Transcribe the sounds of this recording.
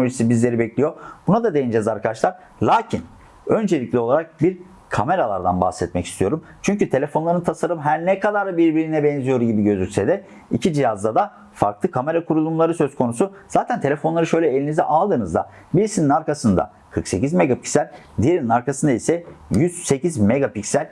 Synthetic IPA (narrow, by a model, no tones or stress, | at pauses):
enooʒisibizlʲe̞ɾibɛclʲijobunad̪ad̪ejind͡ʒɛzaɾkad̪aʃlˠaɾ | lʲˠaːcʰin | ø̞nd͡ʒe̞lʲiclʲio̞lˠaɾak̚biɾ | kʰame̞ɾalˠa̰ɾd̪a̰nba̰hsɛt̪mɛci̥st̪ʰijo̞ɾum | t͡ʃʰyɲcyt̪ʰe̞lʲe̞fo̞nlˠaɾɯnt̪ʰasaɾɯmɦæɾnɛkʰad̪aɾbiɾbiɾinɛbɛnzijo̞ɾuɟibiɟø̞zycʲsed̪ɛ | ḭcʰid͡ʒijazd̪ad̪a | fa̰ɾklˠɯkʰame̞ɾakʰuɾulˠumlˠaɾɯsø̞skʰo̞nusu | zaːt̪ʰænt̪ʰe̞lʲe̞fo̞nlˠaɾɯʃø̞jlʲɛelʲinizɛʔalˠd̪ɯːnɯzd̪a̰ | biɾisininaɾkasɯnd̪a̰ | kʰɯɾkse̞cizme̞ɡapi̥csælʲ | d̪ijeɾininaɾkʰasɯnd̪aisɛjyz̥se̞cizmeɡapicsælʲ